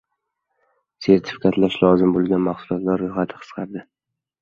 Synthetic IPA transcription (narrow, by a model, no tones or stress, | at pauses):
se̞ɾt̪ʰɪ̥fɪ̥kʰat̪laʃlɒzɪmbolˠɡʲanmaχsʊlˠɒt̪laɾːoχat̪ʰɪ̥qʰɨ̥sqʰɑɾd̪ɪ